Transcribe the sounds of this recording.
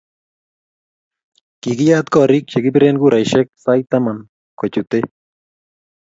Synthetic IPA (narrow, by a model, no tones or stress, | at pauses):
kiɡijaːt̪koaɾik̚t͡ʃeɡipɾenɡuɾajʃek̚sajt̪aman | kot͡ʃut̪e